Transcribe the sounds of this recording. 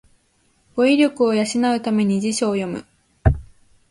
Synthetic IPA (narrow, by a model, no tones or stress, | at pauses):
ɡ̥o̞iɾʲo̞kɯ̟o̞jaɕinaɯ̟t̪ame̞ɲ̟id͡ʑiɕo̞ːjo̞mɯ̟̰